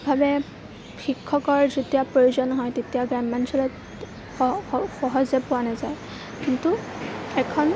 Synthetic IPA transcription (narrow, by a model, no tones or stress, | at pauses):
bʱabɛ | xikʰːɔkɔɹzotiapɹojuzɔnːɔɦɔjtetijaɡanmansʰɔlɔt | xɔɦɔzɛpʊwanazaj | kintuɛkʰɔn